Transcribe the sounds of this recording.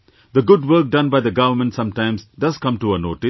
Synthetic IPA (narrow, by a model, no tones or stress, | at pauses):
d̪əɡʊɖʋəɾk̚ɖʌ̃nbaɪd̪əɡʌʋəmə̃nʈsʌ̃mʈãɪ̃mzɖʌzkʌ̃mʈuənoːʈɪ